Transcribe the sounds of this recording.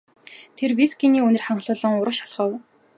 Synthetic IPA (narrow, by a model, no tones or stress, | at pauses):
t̪ʰerwisɡiniːɵnɘ̆rχaɴɢɮʊːɮɞ̆ŋʊɾə̆ʃḁɮχə̆w